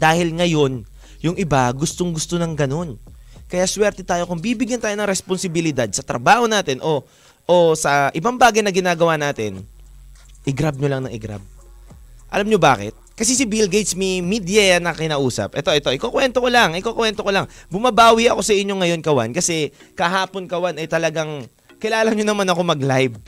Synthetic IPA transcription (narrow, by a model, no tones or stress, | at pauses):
d̪aːhɪlŋɐjo̞n | jʊŋʔɪbaɡʊst̪oŋɡʊst̪onɐŋɡɐno̞nkɐjaʔswɛɾt̪ɛt̪aːjo̞kʊŋbiːbɪɡjɐnt̪aːjonɐŋɾɛsponsɪbɪlɪd̪ad̪̚sɐt̪ɾɐ̰baːho̞naːt̪ɪnʔo̞ | ʔosɐʔɪbaŋbaːɡɐjnɐɡɪnaːɡɐwaːnaːt̪ɪn | ʔɪɡɾab̚ɲolɐŋnɐŋʔɪɡɾa̰b̚ | ʔɐ̰lamɲoba̰ːkɪ̰t̪̚kɐs̬ɛsɪbɪlɡejt̪smimid̪jɛɐnɐkɪnaːʔuːsɐ̰p̚ʔɛt̪o̞ʔɛt̪o̞ʔɪkokwɛnt̪okolaŋʔɪkokwɛnt̪o̞kolɐŋbʊmɐbaːwiʔɐko̞sɐʔɪɲːo̞ŋɐjo̞nkɐwa̰nkɐsɛkɐɦaːpo̞nkɐwanɐjt̪ɐlɐɡaŋ | kɪlaːlɐɲonɐmanɐko̞mɐɡlajb̚